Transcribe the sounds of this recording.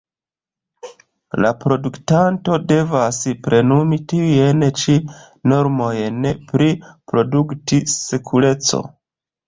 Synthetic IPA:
lapɾo̞duktanto̞de̞vaspɾe̞numitiujent͡ʃi | no̞ɾmo̞jnpɾipɾo̞duktise̞kʰuɾe̞t͡so̞̰

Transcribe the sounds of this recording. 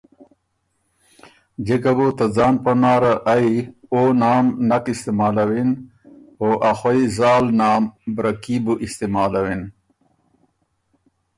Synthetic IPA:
d͡ʑekabut̪ad͡zɑːnpɐnɑːɾaʔajonɑːmnakist̪emɑːlawin | oʔaxwaizɑːlnɑːmbɾakibuʔɪst̪emɑːlawin

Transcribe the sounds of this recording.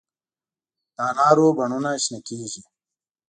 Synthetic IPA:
t̪aːnaːɾoːbɐɳunaɕnekiːʑi

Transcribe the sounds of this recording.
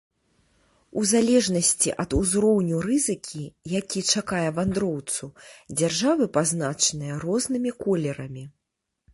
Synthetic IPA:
uzalʲɛʐnɐsʲt͡sʲḭʔɐd̪uzɾɔwnʲuɾɨzɨkʲʰijakʲit͡ʂakajɛvand̪ɾɔwt̪sud͡zʲarʐavɨpaznat͡ʂɐnɨjɐɾɔznɨmʲikɔlʲɛɾɐmʲi

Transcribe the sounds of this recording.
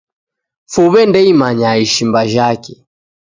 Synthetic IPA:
fuβɛndɛimaɲaiʃimbaʒakɛ

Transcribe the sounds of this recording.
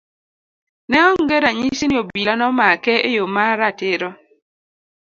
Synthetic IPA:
nɛɔŋɡɛɾaɲisiniobilanɔmakɛʔejomaɾateɾɔ

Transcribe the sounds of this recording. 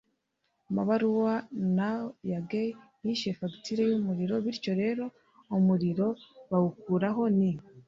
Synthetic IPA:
ma̰βaɾuwanajaɡe | jiʃefaɡitiɾejomuɾiɾo̞βiɾico̞ɾe̞ːɾo̞ | omuɾiɾo̞βaukuɾaɦo̞ni

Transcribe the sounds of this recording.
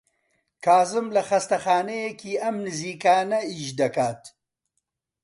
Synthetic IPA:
kʰaːzɨmlɐxɐst̪ɐxaːnejekiːʔɐmnɨziːkaːnɐiʃd̪ɐkaːt̪

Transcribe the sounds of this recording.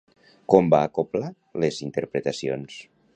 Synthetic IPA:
kɔmbaːkopla | lezint̪eɾpɾet̪asio̰ns

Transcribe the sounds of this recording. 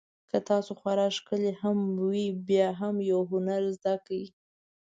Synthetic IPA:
kət̪ɑsoxwaɾɑʃkəlehamwibjɑɦamjawɦʊnaɾzd̪akawi

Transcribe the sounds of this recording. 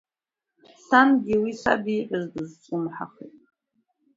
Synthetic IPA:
sanɡʲiwisa̰biːħʷʼazdɨzt͡sʷʼɨmħa̰χetʼ

